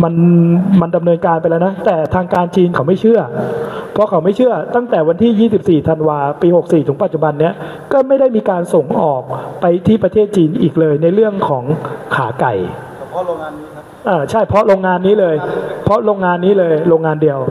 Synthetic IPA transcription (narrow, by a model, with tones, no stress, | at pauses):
ma˧nma˧nda˧mnɤː˧nkaː˧npa˧jlɛː˦˥wna˦˥t̪ɛː˨˩t̪ʰaː˧ŋkaː˧nt͡ɕiː˧nkʰa˩˦wma˥˩jt͡ɕʰɯ˥˩ɐpʰɔ˦˥kʰa˩˦wma˥˩jt͡ɕʰɯ˥˩ɐt̪a˥˩ŋt̪ɛː˨˩wa˧nt̪ʰiː˥˩jiː˥˩si˨˩p̚siː˨˩t̪ʰa˧nwaː˧piː˧ho˨˩k̚siː˨˩ɯ˩˦ŋpa˨˩t̪̚t͡ɕu˨˩ba˧nːi˦˥˩ɐ | kɔː˥˩ma˥˩jda˥˩jmiː˧kaː˧nso˨˩ŋʔɔː˨˩k̚pa˧jt̪ʰiː˥˩pɾa˧t̪ʰeː˥˩t̪̚t͡ɕiː˧nʔiː˨˩k̚lɤː˧jna˧jɾɯ˥˩əŋkʰɔː˩˦ŋkʰaː˩˦ka˨˩j | ʔaː˨˩t͡ɕʰa˥˩jpʰɔ˦˥ɾoː˧ŋːaː˧nːiː˦˥lɤː˧jpʰɔ˦˥ɾoː˧ŋːaː˧nːiː˦˥lɤː˧jɾoː˧ŋːaː˧ndi˧əw